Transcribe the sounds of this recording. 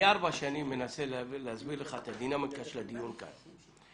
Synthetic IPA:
aʁbaʃanimːenaseleazbileχaet̪ad̪inamekaʃlad̪ijunka̰n

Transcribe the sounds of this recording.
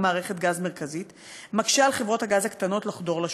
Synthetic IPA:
maːʁeχetɡazmeʁkazit | makʃealχevʁo̞thaɡazhaktano̞tlaχdo̞ʁlaʃ

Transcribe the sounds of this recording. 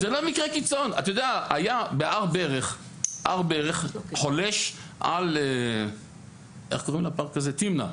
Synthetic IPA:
zelo̞mikʁekit͡sona̰t̪ajod̪eaajabeʔaʁbeʁeχ | ʔa̰ʁbeʁeχχoleʃʔa̰le | ʔḛχkoʁimlapaʁkazet̪imna̰

